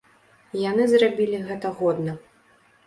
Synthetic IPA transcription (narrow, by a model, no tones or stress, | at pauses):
janɨzrabʲilʲiɣɛt̪ɐɣɔd̪nɐ